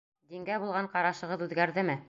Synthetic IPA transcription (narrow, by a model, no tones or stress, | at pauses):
d̪iŋɡæbulˠʁɑɴqɑɾɑʃɤ̆ʁɤðʉðɡæɾðɘmɘ